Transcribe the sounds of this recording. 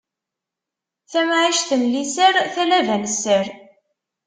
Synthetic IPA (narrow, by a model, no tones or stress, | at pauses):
θæmʕiʃθənlisəɾθælævænsəɾ